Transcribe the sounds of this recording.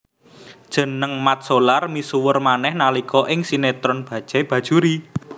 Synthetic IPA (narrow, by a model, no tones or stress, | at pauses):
d̥ʒ̥ə̤nəŋmat̪̚solarmisuwʊrmanɛhnalikɔʔɪŋsinet̪ɾɔnb̥ä̤d̥ʒ̥a̤b̥ä̤d̥ʒ̥uɾi